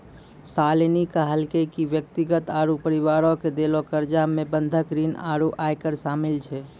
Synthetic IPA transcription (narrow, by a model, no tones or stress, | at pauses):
salnikəɦəlkekiʋjək̚t̪iɡət̪aːɾupəɾiʋaːɾõked̪elokəɾd͡ʒamebə̃nd̪ʱəkɾiːna̰ɾuʔajkəɾsaːmilt͡ʃʰɛ